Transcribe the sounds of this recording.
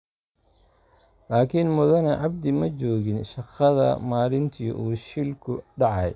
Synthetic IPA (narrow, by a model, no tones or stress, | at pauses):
laːkʰinmʊðɐnɛʕɑb̚d̪ɪmɐt͡ʃɔːɣɪnʃɑqɐðɐ̰maːɾɪnt̪ʰḭːʔuːʃɪlkʰʊɖɑʕɑj